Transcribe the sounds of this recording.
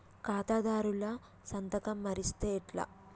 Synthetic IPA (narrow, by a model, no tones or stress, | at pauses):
kaːt̪aːd̪aːɾulɐ | sɐnt̪ɐkɐmːɐɾist̪eːʈlɐ̰